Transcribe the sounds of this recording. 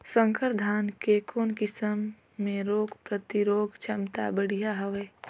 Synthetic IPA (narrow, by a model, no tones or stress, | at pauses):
sə̃ŋkəɾd̪ʱaːnkekʰoːnkɪsəmː | ẽɾoːɡpɾət̪iɾoːɡt͡ʃʰɐmt̪a̰bəɽ̤ijaɦɐʋeː